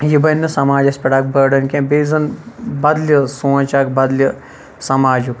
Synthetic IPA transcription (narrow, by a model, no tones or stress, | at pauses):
jibɐnːɐsɐmaːd͡ʒɐspʲɐɽaːk̚bɐɾɖɐnkʲẽbeːzɐnbɐd̪lʲɐsõːt͡ʃaːkbɐd̪lʲɐ | sɐmaːd͡ʒuk